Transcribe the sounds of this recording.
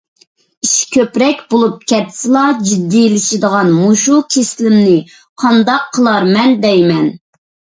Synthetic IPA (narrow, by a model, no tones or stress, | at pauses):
iʃkʲʰøpɾɛk̚ʲbolˠup̚kʲʰɛt̪ʰːsɨlˠɑd͡ʒid̪ːilɪʃid̪əʁɑnmuʃukʲʰeslɪmnɪ | qʰɑnd̪ɑqʰːəlˠɑɾmɛnd̪ɛjmɛn